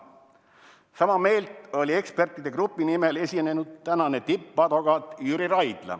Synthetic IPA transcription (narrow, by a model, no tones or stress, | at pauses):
sɑmɑme̞ːlt̪o̞lʲie̞kspe̞rt̪ːˑid̪̥e̞krupːˑinimelesʲine̞nud̪̥̚t̪ænɑnet̪ipːɑd̪oɡɑt̪jyɾiɾɑjd̪̥lɑ̰